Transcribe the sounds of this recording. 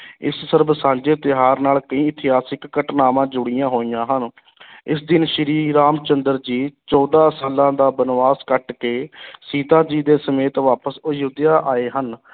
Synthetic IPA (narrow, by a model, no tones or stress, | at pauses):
ɪ̰ssəɾbsãːɲd͡ʒeːt̪ɪɦaːɾnaːlkəĩːɪt̪ʰɪɦaːsɪkːəʈnaːmãːd͡ʒʊɽijãːɦoːiːjãːɦən | ɪsd̪ɪnʃəɾiːɾaːmt͡ʃənd̪əɾd͡ʒiːt͡ʃɔːd̪ãːsaːlãːd̪aːbənʋaːskəʈkeːsiːt̪aːd͡ʒiːd̪eːsəmeːt̪ʋaːpəsʊjʊd̪jaːʔaːeːɦən